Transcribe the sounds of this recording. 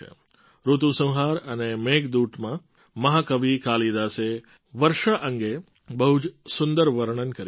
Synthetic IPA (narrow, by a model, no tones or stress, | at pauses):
ɾut̪ũsə̃w̃ɦaɾənemeɡd̪uʈmã | mɐɦakəʋikaːlid̪ase | ʋəɾʃaʔə̃ŋɡe | bəɦud͡ʒsʊnd̪əɾʋəɾɳ̃ənkəɾ